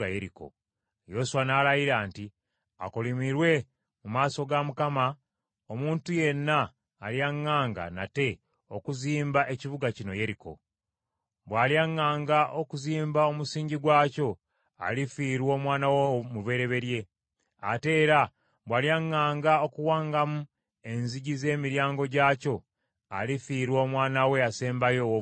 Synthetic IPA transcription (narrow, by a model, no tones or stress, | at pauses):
ajeɾiko̞̰ | jo̞suwanaːlajiɾaːnti | a̰kolimiɾwe̞ | mumaːso̞ɡamukama | omuːntuje̞nːaː | ljaŋːaːŋɡa̰na̰te̞ | o̞kuziːmbaʔe̞civuɡacino̞je̞ɾiko̞̰ | bwaːljaŋːaːŋɡaʔokuziːmbao̞musiːɲɟiɡwaːco̞ | a̰lifiːɾwo̞ːmwaːnawomuβe̞ɾe̞βe̞ɾje̞ | ate̞ːɾa | bwaːljaŋːaːŋɡao̞kuwaːŋɡamu | e̞nziɟize̞ːmiɾjaːŋɡo̞ɟaːco̞ | a̰lifiːɾwo̞ːmwaːnawe̞ase̞ːmbajo